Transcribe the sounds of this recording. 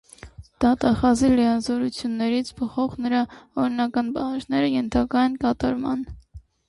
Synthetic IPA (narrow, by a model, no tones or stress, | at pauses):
d̪̥ɑt̪ɑχɑziləjɑzɔɾut͡sʰjunːɛɾit͡sʰbʰəχɔʁnəɾɑɔɾinɑkɑnbɑhɑd͡ʒnɛɾəjɛnt̪ʰɑkɑjɛnkɑt̪ɑɾmɑ̰n